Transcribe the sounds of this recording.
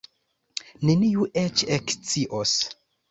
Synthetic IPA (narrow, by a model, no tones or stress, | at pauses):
neniuʔet͡ʃekt͡siʔos